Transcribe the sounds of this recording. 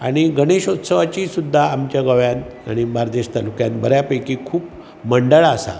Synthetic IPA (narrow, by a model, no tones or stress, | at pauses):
aɽ̃iɡəɽ̃eɕot̪səʋat͡ɕiːsud̪ʱːaːmt͡ɕjaɡəʋjãnaɽ̃imaɾd̪eɕt̪alukjãnbəɾjapəjkikʰuːp | məɳɖəɭasa̰